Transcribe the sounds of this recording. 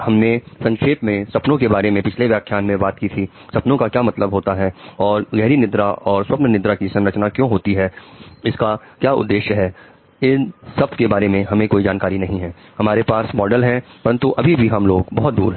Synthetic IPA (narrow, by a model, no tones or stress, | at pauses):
hɐmnesɐ̃ŋkʰeːpmẽsɐpnõkebaːɾemẽpɪt͡ʃʰleʋjaːkʰjaːnmẽbaːt̪kit̪ʰi | sɐpnõkakjaːmɐt̪ləbɦoːt̪aɦɛɔːɾɡɛɦɾinɪd̪ɾaʔɔːɾswɐpnənɪd̪ɾakisɐ̃nɾət͡ʃnakjõːɦoːt̪iɦɛːɪska | kjaːʊ̰d̪ːeːʃjəɦɛː | ɪnsɐb̚t̪kebaːɾemẽɦɐmẽkoːid͡ʒaːnkaːɾinɐɦĩɦɛːhɐmaːɾepaːsmɔːɖəlɦɛ̃pɐɾə̃nt̪uʔɐbʱibʱiɦɐmloːɡbɐɦʊt̪̚d̪ṵːɾɦɛ